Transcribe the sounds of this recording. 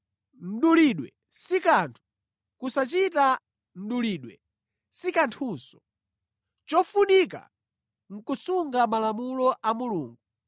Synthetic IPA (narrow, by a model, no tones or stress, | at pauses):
n̩ɗuliɗwɛ̰ | sikantʰu̥ | kusat͡ʃita | n̩ɗuliːɗwɛ̰ | sikantʰuːsɔ̥ | t͡ʃɔfunika̰ | ŋ̩kusuŋɡamalamulɔʔamuluːŋɡu